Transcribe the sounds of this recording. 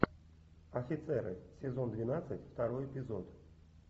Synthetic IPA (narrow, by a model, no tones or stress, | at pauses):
ɐfʲɪt̪sɛɾɨ̰sʲɪzo̞nd̪vʲɪnat̪sɨtʲft̪aɾojɪpʲɪzot̪